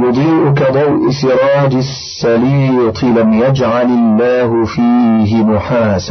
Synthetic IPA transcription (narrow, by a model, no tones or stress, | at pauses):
jʊd̪ˤiːʔʊkad̪ˤɑwʔɪsɪɾˤɑːd͡ʒɪsːaliːt̪ʰˤɪlamjad͡ʒʕalɪlːaːɦʊfiːɦɪmʊħaːsa